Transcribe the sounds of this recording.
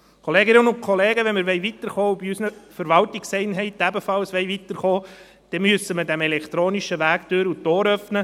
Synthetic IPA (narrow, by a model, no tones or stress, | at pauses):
kʰoleːɡɪnəʊkʰχɔleːɡəʋɛnmɪɾʋɛɪʋit̪əɾχoːub̥iysənəfəɾʋɑltiksɛɪnɦɛɪtːæbəfɑlsʋɛɪʋit̪əɾχoː | d̪̥ɛmyəsəmədæmɛlɛkt̪ɾoːniʃəʋæːɡ̥d̥øɾutoːɾœfnə